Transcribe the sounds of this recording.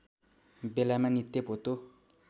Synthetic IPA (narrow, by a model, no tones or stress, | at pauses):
belamanit̪ːepot̪o